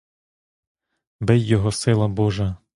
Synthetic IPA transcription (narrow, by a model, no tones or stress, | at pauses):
bɛjːɔɦɔsɪlˠɐbɔʒɐ